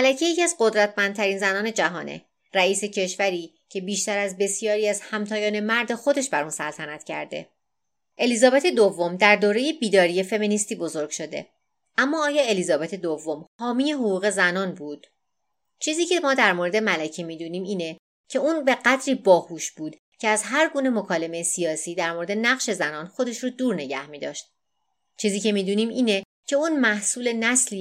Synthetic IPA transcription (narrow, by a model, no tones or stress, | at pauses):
mælæcʰeje̞cʰiæzɢo̞d̪ɾæt̪ʰmænd̪̚t̪ʰæɾiːnzænɒːne̞d͡ʒæɦɒ̰ːnḛ | ɾæiːse̞cʰe̞ʃvæɾiː | cʰe̞biːʃt̪æɾæzbe̞sijɒːɾiːæzhæmt̪ʰɒːjɒːne̞mæɾd̪e̞xo̞d̪e̞ʃbæɾunsælt̪ʰænæt̪cʰæ̰ɾd̪e̞̰ | ʔe̞lizɒːbet̪ʰe̞d̪ovːo̞md̪æɾd̪oːɾe̞je̞biːd̪ɒːɾije̞fe̞miniːst̪iːbo̞zo̞ɾɡ̥ʃo̞d̪e̞̰ | æmːɒːɒːjɒːe̞lizɒːbet̪ʰed̪ovːomhɒːmiːje̞ɦoɣuːɣe̞zænɒːnbuːd̪̥ | t͡ʃʰiːziːcʰe̞mɒːd̪æɾmoɾe̞d̪e̞mælæcʰimiːd̪uniːmiːne̞ | cʰe̞uːnbe̞ɢæd̪ɾiːbɒːhuːʃbuːd̪̥ | cʰe̞æzɦæɾɡuːne̞mo̞kʰɒːle̞mejesijɒːsiːd̪æɾmoɾe̞d̪e̞næɣʃe̞zænɒːnxo̞d̪e̞ʃɾod̪uːɾne̞ɟæ̰hmiːd̪ɒ̰ːʃt̪̚ | t͡ʃʰiːziːce̞miːd̪uːniːmiːne | cʰe̞unmæhsuːle̞næsli